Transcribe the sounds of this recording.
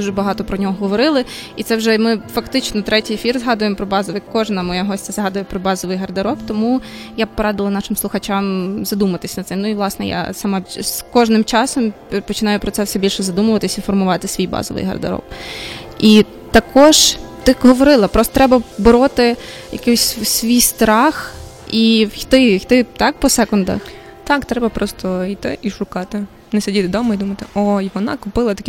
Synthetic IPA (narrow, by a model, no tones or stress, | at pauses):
d̥̪uʒɛbɐɦɑt̪ɔpɾɔnʲɔɦɔɦɔʋɔɾɪlˠɪit̪sɛwʒɛmɪfɐkt̪ɪt͡ʃnɔt̪ɾɛtʲijefʲirzɦɑd̪ʊjemɔpɾɔbɑzɔʋɪkɔʒnɐmɔjaɦɔsʲt͡sʲɛzɦɑd̪ʊjɛpɾɔbɑzɔʋɪjɦɐrd̪ɐɾɔbt̪ɔmujapɔɾɑd̪ɪlˠɐnɑʃɪmslˠʊxɐt͡ʃɑmzɐd̪umʊʋɐt̪ɪsʲnɐt̪sɪmnʊiʋlˠɑsnɛ̰ja̰samɑskɔʒnɪmt͡ʃɑsɔm | pɔt͡ʃɪnɑjʊpɾɔt̪sɛwsɛbʲilʲʃɛzɐd̪umʊʋɐt̪ɪsʲifɔrmʊʋɑt̪ɪsʲʋʲijbɑ̰zɔ̰ʋɪ̰jɦɐ̰rd̪ɐ̰ɾɔ̰p | i | t̪ɐkɔʒt̪ɪɦɔʋɔɾɪlˠɐpɾɔst̪ɔt̪ɾɛbɐbɪɾɔt̪ɪ | jɐ̰kɪsʲsʲʋʲijst̪ɾɑx | ixt̪ɪxt̪ɪt̪ɑk̚pɔsɛkɔnd̪ɐ̰x | t̪ɑkt̪ɾɛbɐpɾɔst̪ɔit̪ɪʔiʃʊkɑt̪ɪ | nɛsʲɐdʲit̪ɪd̪ɔmɔid̪umɐt̪ɪʔɔjʋɔnɑ̰kʊpɪlˠɐt̪ɐkʲi